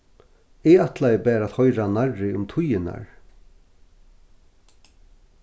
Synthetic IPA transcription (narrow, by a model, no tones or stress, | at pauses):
ɛat̪lajɪbɛːɾaːt̪hɔʏɾanaɾːɪʊmt̪ʰʊjɪna̰ɹ